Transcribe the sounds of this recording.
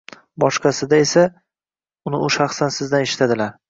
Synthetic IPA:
bɒʃqʰɑsɪd̪aesa | ʊnɪʔʊʃɑχsansɪzd̪aneʃɪ̥t̪ʰad̪ɪlaɾ

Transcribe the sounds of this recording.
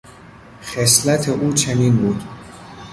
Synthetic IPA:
xeslæt̪ʰeʔuːt͡ʃʰeniːnbuːd̪̥

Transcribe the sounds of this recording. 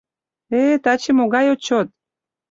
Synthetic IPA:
et̪ɑt͡ɕemoɣɑjot͡ɕot̪̚

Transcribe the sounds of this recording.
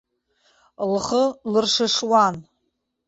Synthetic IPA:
lχəlɨrʂɨʂwan

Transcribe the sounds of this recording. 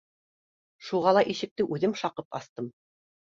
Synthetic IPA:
ʃuʁɑlˠɑʔiʃɘ̆k̚t̪ɘʔʉðɘmʃɑqɤpɑ̰st̪ɤm

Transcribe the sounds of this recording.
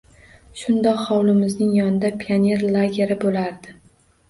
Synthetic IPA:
ʃʊnd̪ɒqhɒwlɪmɪznɪŋjɒnɪd̪apʰianʲe̞ɾlˠaɡʲe̞ɾɪbolaɾd̪ɪ

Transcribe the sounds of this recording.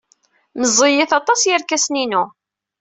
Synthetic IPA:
məzˤːijɪθɑt̪ˤɑsjəɾkæsninu

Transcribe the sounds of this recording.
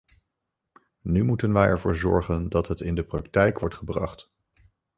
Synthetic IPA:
nymutənʋɛjɛɹvʊːɹzɔ̰ɹχəndɑtɦətɪndəprɑktɛjkʋɔɹtχəbrɑ̰χt

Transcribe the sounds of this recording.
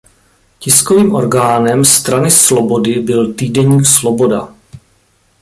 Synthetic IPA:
cɪsko̞viːmʔo̞̰ɾɡaːnɛmst̪ɾanɪslo̞bo̞dɪbɪlt̪iːdɛɲiːkslo̞bo̞da

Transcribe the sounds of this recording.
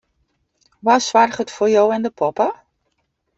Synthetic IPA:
ʋasʋarχətforjowɛndəpʰɔpə

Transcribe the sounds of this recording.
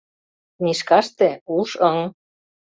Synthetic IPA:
niʃkɑʃt̪ĕuʃɤŋ

